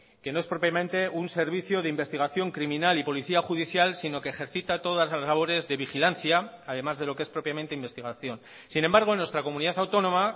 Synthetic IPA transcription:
ke̞noe̞spɾo̞pjamẽ̞nt̪e̞unse̞ɾβ̞iθjo̞ðeimbe̞st̪iɣ̞aθjo̞ŋkɾimĩnalipo̞liθiaxuðiθjalsino̞keːxe̞ɾθit̪at̪o̞ð̞azlazlaβ̞o̞ɾe̞zðe̞βixilanθjaːðe̞mazð̞e̞lo̞kee̞spɾo̞pjament̪e̞imbest̪iɣaθjo̞n | sine̞mbaɾɣ̞o̞nwest̪ɾako̞mũniðaθawt̪o̞nõ̞ma

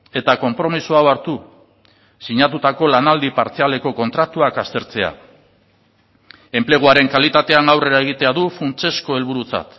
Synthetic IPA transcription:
e̞t̪ako̞mpɾo̞misuawaɾt̪u | siɲat̪ut̪ako̞lanald̪ipaɾt͡sialeko̞ko̞nt̪ɾat̪uakast̪e̞ɾt͡se̞a̰ | e̞mple̞ɣ̞uaɾe̞ŋkalit̪at̪e̞aŋɡawre̞ɾae̞ɣ̞it̪e̞aðufunt͡se̞sko̞e̞lβ̞uɾut͡sa̰t̪

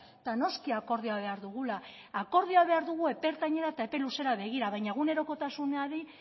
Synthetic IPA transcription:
t̪ano̞skiako̞ɾð̞iaβ̞e̞aɾðuɣ̞ulaː | ko̞ɾð̞iaβe̞aɾðuɣ̞ue̞pe̞ɾt̪aɲe̞ɾaet̪aepe̞luse̞ɾaβ̞e̞ɣ̞iɾaβajɲaeɣ̞une̞ɾo̞ko̞t̪asuneaði

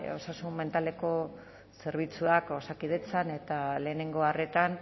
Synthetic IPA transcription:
o̞̰sasumme̞nt̪ale̞ko̞ | se̞ɾβ̞it͡suako̞sakið̞e̞t͡sane̞t̪ale̞ːne̞ŋɡo̞are̞t̪an

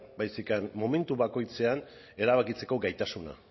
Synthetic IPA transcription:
bajsikanmo̞me̞nt̪uβako̞jt͡se̞an | e̞ɾaβakit͡se̞ko̞ɡajt̪asuna̰

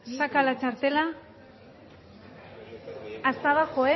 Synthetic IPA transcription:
sakalat͡ʃaɾt̪e̞la | ast̪aβaxoe

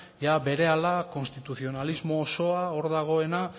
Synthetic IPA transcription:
jabe̞ɾe̞alako̞nst̪it̪uθio̞nalizmo̞ːso̞ao̞ɾðaɣ̞o̞e̞na

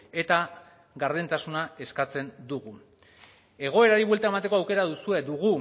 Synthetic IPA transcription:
e̞t̪a | ɣaɾðent̪asunae̞skat͡se̞nd̪uɣu | e̞ɣ̞o̞e̞ɾaɾiβwe̞lt̪ae̞mat̪̬eko̞awke̞ɾaðusue̞d̪uɣ̞u

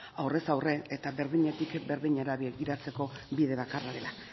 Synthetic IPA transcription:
awre̞sawre̞et̪aβe̞ɾðiɲet̪ikbe̞ɾðiɲaɾaβiɡiɾat͡se̞ko̞biðe̞βakaraɾe̞la

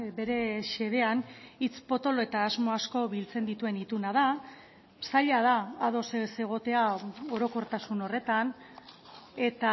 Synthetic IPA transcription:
be̞ɾe̞ʃe̞ðe̞anit͡spo̞t̪o̞loe̞t̪aːzmo̞asko̞βilt͡se̞nd̪it̪ue̞nit̪unað̞a | saʎað̞aːað̞o̞sese̞ɣ̞o̞t̪e̞ao̞ɾo̞ko̞ɾt̪asuno̞re̞t̪an | e̞t̪a

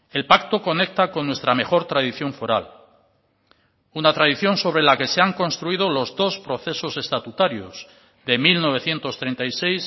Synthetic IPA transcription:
e̞lpak̚t̪o̞ko̞ne̞k̚t̪ako̞nːwe̞st̪ɾame̞xo̞ɾt̪ɾaðiθjo̞ɱfo̞ɾal | unat̪ɾaðiθjo̞nso̞β̞ɾelake̞se̞aŋko̞nst̪ɾuið̞o̞lo̞zðo̞spɾo̞θe̞so̞se̞st̪at̪ut̪aɾjo̞z | ðe̞milno̞β̞e̞θje̞nt̪o̞st̪ɾe̞nt̪ajse̞js

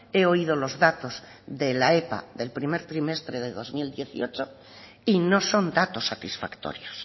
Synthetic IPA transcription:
e̞o̞ið̞o̞lo̞zðat̪o̞z | ðelae̞pa̰ðe̞lpɾimeɾt̪ɾime̞st̪ɾeðeðo̞zmild̪je̞θḭo̞t͡ʃo | ino̞so̞nd̪at̪o̞sːat̪isfakt̪o̞̰ɾjos

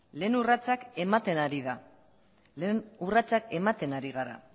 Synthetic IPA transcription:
le̞ːnurat͡sake̞mat̪e̞naɾiða | lenurat͡sake̞mat̪e̞naɾiɣ̞aɾa̰

